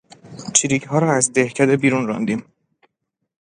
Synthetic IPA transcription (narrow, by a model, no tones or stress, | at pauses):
t͡ʃʰiɾiːchɒːɾɒːæzd̪ehcʰæd̪ebiːɾunɾɒ̰nd̪iːm